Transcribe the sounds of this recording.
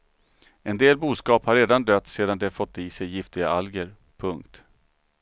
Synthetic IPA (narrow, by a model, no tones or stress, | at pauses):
ɛnd̪eːlbuːskɑːphaɾːeːd̪and̪œt̪ːseːd̪and̪ɛfɔt̪ːɪːsɛjːɪft̪ɪɡaalɡəɾ | pʰɵŋkt̪